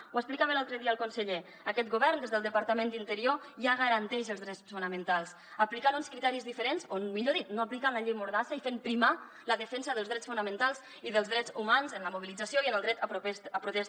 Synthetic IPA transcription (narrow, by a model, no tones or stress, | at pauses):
wəsplikaβənalˠt̪ɾəðiəəlˠkunsəʎe | əkɛt̪̚ɡuβɛrnd̪ezðəlˠd̪əpaɾt̪əmẽnd̪int̪əɾioʒaɣəɾənt̪ɛʃəlzðɾɛsfunəmənt̪alˠs | əplikanunskɾit̪ɛɾizðifəɾenzonmiʎoðit̪noaplikanləʎejmuɾðasəifempɾima | ləðəfɛnzəðəlzðɾɛt͡sfunəmə̃nt̪alˠz | iðəlˠzðɾɛzumanzənləmuβilid͡zasioiənəlˠd̪ɾɛt̪əpɾut̪ɛs